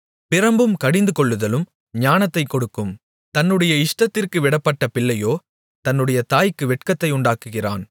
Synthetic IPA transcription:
pɪɾɐmbɯmkɐɽɪnd̪ɯkɔɭːɯðɐlɯm | ɲaːnɐt̪ːɐɪkːɔɽɯkːɯm | t̪ɐnːɯɽɐjɐɪʂʈɐt̪ːɪrkɯʋɪɽɐpːɐʈːɐpɪɭːɐjoː | t̪ɐnːɯɽɐjɐt̪aːjkːɯʋɛʈ̚kɐt̪ːɐɪʊɳɖaːkɯɣɪra̰ːn

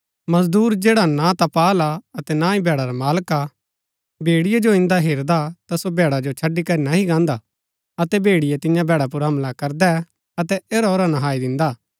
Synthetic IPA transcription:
mɐzd̪uːɾd͡ʒeːɽanãt̪apaːlaɐt̪ɛnãːĩbɛːɽaɾamaːlka | bʱeːɽɪjed͡ʒoɪ̃nd̪aɦeːɾd̪at̪asobɛːɽad͡ʒot͡ʃʰɐɖikɐɾinaɦiɡãːnd̪a | ɐt̪ɛbʱeːɽɪjet̪ɪ̃jãbʱɛːɽap̬ʊɾɦɐ̃mlakɐɾd̪ɛ | ɐt̪ɛeːɾaoːɾanɐɦaːid̪ɪ̃nd̪aː

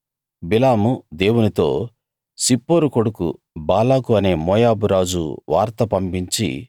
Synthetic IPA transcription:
bilaːmud̪e̞ːwunit̪o̞̰ː | sipːoːɾukoɽukṵ | baːlaːkuɐne̞ːmɔːjaːbuɾaːd͡ʒṵʋa̰ːɾt̪ɐpɐmpiɲt͡ʃḭ

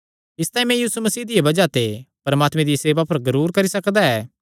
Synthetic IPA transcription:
ɪst̪ãːĩmɛ̃jiːsumɐsiːd̪ɪjebɐd͡ʒat̪epɐɾɐmaːt̪mẽd̪ijseːʋapɐɾzɐɾuːɾkɐɾisɐkd̪aɛː

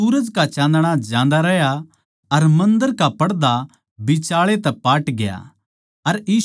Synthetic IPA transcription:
uːɾəd͡ʒkat͡ʃãːnd̪ɽ̃ad͡ʒãːnd̪aɾɛja | ɐɾmɐ̃nd̪əɾkapɐɽd̪a | bɪt͡ʃaːɭet̪ɛpaːʈɡɪja̰ | ɐɾjiː

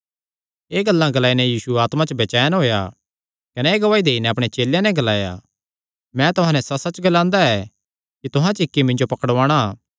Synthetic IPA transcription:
eːɡɐlːãɡɐlaːinɛjiːsuaːt̪mãt͡ʃbeːt͡ʃaːjnɦoːja | kɐnɛeːɡɐʋaːid̪eːinɛɐpɽ̃et͡ʃeːljãnɛ̃ɡɐlaːja̰ | mɛ̃t̪ʊɦãnɛsɐsɐt͡ʃɡɐlãːnd̪aɛ | kit̪ʊɦãt͡ʃɪkːimɪ̃nd͡ʒopɐkəɽʋãːɽ̃a

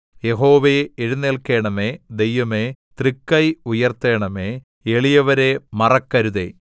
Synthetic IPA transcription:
jeɦo̞ːʋeeɻunːeːlke̞ːɳɐmeːd̪e̞jʋɐmet̪rikːɐjujɐrt̪eːɳɐme | eɭijɐʋɐɾe̞mɐrɐkːɐɾuðe̞̰

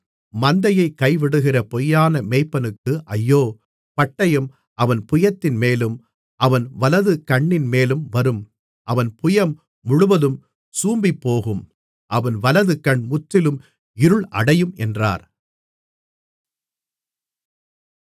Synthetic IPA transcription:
mɐnd̪ɐjɐɪkːɐɪʋɪɽɯɣɪrɐpɔjːaːnɐmɛɪpːɐnɯkːɯʔɐjːoː | pɐʈːɐjɯm | ʔɐʋɐnpʊjɐt̪ːɪnmeːlɯm | ʔɐʋɐnʋɐlɐðɯkɐɳːɪnmeːlɯmʋɐɾɯm | ʔɐʋɐnpʊjɐmː | ʊɻʊʋɐðɯm | suːmbipːoːɣɯm | ʔɐʋɐnʋɐlɐðɯkɐɳmʊt̪ːɪlɯm | ɪɾɯɭʔɐ̰ɽɐjɯmʔɛndra̰ːɾ

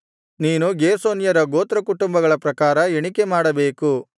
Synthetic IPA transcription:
niːnuɡeːsoːnjɐɾɐɡoːt̪ɾɐkuʈumbɐɡɐɭɐpɾɐkaːɾɐeɳikemaːɽɐbe̞ːku

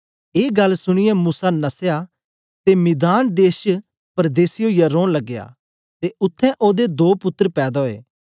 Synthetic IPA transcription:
eːɡɐlsʊɽ̃ɪjɛ̃muːsanɐseja | t̪emɪd̪aːnd̪eːʃ | pəɾd̪eːsijoːijaɾõːnlɐɡːeja̰ː | t̪eʔʊt̪ʰːɛ̃ʔoːd̪ed̪oːpʊt̪ːɾpɛːd̪ɔːḛː

